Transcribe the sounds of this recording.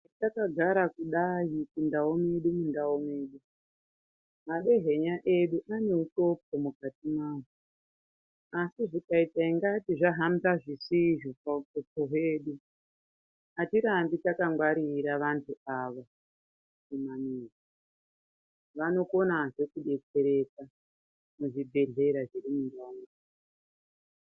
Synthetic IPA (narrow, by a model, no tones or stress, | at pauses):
takaɡʱaɾakuɗajikundaome̞ɗumundaome̞ɗu | maɗe̞ɦe̞ɲaʔe̞ɗuʔane̞uto̞p̚omukatimaːwo | asiʐikaitaiŋɡatiʐaɦamzaʐisiʐopautopoɦwe̞ːɗu | atiɾambitakaŋɡwaɾiɾaʋantʰuaʋo | kimaniːza | ʋano̞ko̞naʐe̞kuɗe̞t͡se̞ɾe̞t͡sa | muʐibʱe̞ɮe̞ɾaʐiɾimundoːŋɡa